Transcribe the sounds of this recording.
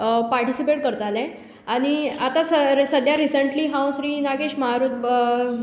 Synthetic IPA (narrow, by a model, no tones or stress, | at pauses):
paɾʈisipeʈ̚kəɾt̪alɛ̃ | aɽ̃iat̪asəsəd̪ʱjaɾisəɳʈliːɦãw̃sɾiːnaɡeɕməɦaɾuːt̪̚